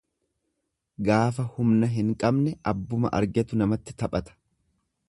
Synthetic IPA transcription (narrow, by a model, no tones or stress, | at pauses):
ɡaːfɐhʊmnɐɦɪŋkʼɐbnɛʔɐbːʊmɐ̰ʔɐ̰ɾɡɛt̪ʊnɐmɐt̪ːɪt̪ɐpʼɐt̪ɐ̥